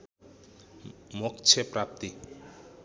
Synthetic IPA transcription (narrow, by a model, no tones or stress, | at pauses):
mokt͡sʰepɾap̚t̪i